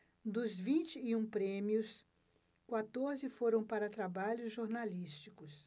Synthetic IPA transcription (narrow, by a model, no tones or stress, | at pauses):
d̪ʊzvĩnt͡ʃɪːũpɾẽmiʊs | kwat̪oɾzɪfoɾɐ̃w̃paɾɐt̪ɾabaʎʊzʒoɾnalist͡ʃikʊs